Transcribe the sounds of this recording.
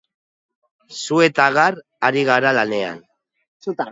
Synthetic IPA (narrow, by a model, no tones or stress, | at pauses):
sue̞t̪aɣar | aɾiɣaɾalane̞a̰n | su